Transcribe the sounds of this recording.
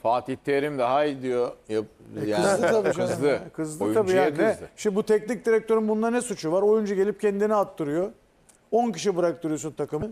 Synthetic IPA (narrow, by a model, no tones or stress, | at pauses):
faːt̪ʰit̪ʰːeɾimd̪aɦaid̪ijojajaɯzʰabiʃasˠɯkʰɯzlˠɯjt̪abiːjanɛɯʃbut̪ʰɛcnic̚d̪iɾɛc̚t̪ʰø̞ɾinbunlˠanɛsut͡ʃʰuvaɾo̞jund͡ʒaɟe̞lʲip̚cʰɛnd̪iniat̪ʰːɯɾɯjo | onciʃ̬ibɯɾak̚t̪ɯɾɯjo̞sunt̪ʰakɯmɯn